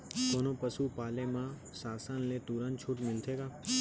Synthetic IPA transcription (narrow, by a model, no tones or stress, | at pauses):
koːnopəsupaːlemã | saːsənlet̪uɾənt͡ʃʰuʈmɪlt̪ʰeːɡaː